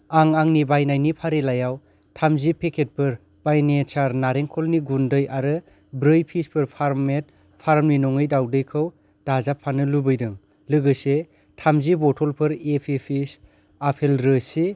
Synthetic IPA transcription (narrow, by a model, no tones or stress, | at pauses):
aŋaŋnibajnajnipʰaɾelajaw | tʰamzipʰekʰet̚pʰɯɾ | b̥ajnet͡ʃaɾnaɾeŋkʰɔlniɡundɯjaɾɯ | bɾɯjpʰispʰɯɾpʰaɾmet̚ | pʰaɾmninɔŋɯjdawdɯjkʰɯw | d̥azapʰːanɯlubɯjdɯŋ | lɯɡɯse | tʰamzibɔtʰɔlpʰɯɾepʰipʰis | apʰelɾɯsi